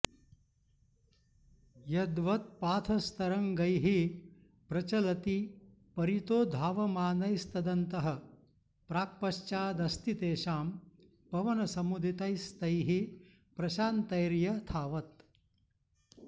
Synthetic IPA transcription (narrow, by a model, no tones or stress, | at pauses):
jɐd̪ʋɐt̪̚paːt̪ʰɐst̪ʰɐɾɐŋɡɐjɦi | pɾɐt͡ʃɐlɐt̪i | pɐɾit̪oːd̪ʱaːʋɐmaːnɐjst̪ɐd̪ɐnt̪ɐɦɐ | pɾaːk̚pɐʃt͡ʃaːd̪ɐst̪it̪eːʃaːm | pɐʋɐnɐsɐmud̪ʱit̪ɐjst̪ɐjɦi | pɾɐʃaːnt̪ɐjɾjɐt̪ʰaːʋɐt̪